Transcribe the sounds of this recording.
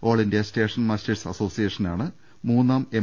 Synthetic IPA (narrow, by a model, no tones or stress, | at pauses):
o̞ːɭɐndijɐste̞ːʂɐnmaːsteɾsɐ̰so̞ːsijeːʂɐnaːɳɨ | muːnːaːme